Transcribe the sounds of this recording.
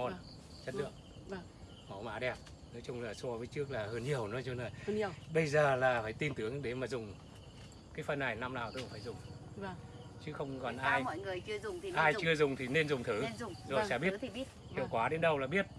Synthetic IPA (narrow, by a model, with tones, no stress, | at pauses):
o˧n | t͡ɕə˦˥t̚lɨ̰˧˨əŋ̚˨˩ | ma˨˩wma̰ː˧˦˥ɗɛ˨˩p̚ | nɔ˨˦jt͡ɕʊ˧ŋ͡mlaː˨˩sɔ˧vəː˨˦jt͡ɕɨ˦˥ək̚laː˨˩həː˧nɲi˨˩əwnɔ˨˦jt͡ɕɔ˧nəː˨˩˧ɓə˧jzaː˨˩laː˨˩faː˧˩jt̪i˧nt̪ɨ˨˦əŋɗe˨˦maː˨˩zʊ˨˩ŋ͡m | kaː˨˦jfə˧nːa˨˩jna˧mnaː˨˩wt̪ɨ˨˦˧faː˧˩jzʊ˨˩ŋ͡m | t͡ɕɨ˨˦xə˧wŋ͡mkɔ˨˩nʔaː˧jɔ̰˧˨jŋɨ˨˩əjt͡ɕɨ˧əzʊ˨˩ŋ͡mʔaː˧jt͡ɕɨ˧əzʊ˨˩ŋ͡mt̪ʰi˨˩ne˧nzʊ˨˩ŋ͡mt̪ʰɨ˨˦˧ŋ͡mzo˨˩sɛ̰˧˥ɓi˦˥ə˨t | hḭ˨˧˨wkwaː˨˦ɗe˨˦nɗə˧wlaː˨˩ɓi˦˥ət̚